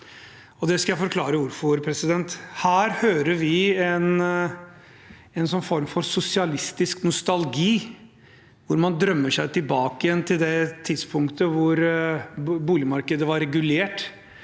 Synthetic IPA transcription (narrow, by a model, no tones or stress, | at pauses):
ɔd̪ɛskɑjæɪfɔɾkʰlɑːɾəʋʊɾfɔɾpʰɾɛsɪd̪ɛnt̪hæːɾhøːɾəɾʋɪɛn | ɛnsɔnːfɔɾmfɔɾsʊsɪɑlɪst̪ɪsknʊst̪ɑlɡiː | ʋʊɾmɑnd̪ɾœmːəʂæɪt̪ʰɪlbɑːkəjɛnt̪ʰɪld̪ɛt̪ʰɪd̪spʰʊŋkt̪əʋʊɾ | buːlɪəmɑɾkəd̪əʋɑɾɛɡʉleːʈ